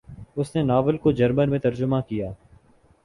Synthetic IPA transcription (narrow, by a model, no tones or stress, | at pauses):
ʊsnenaːʋəlkod͡ʒɐɾmənmẽt̪ɐɾd͡ʒʊmakijaː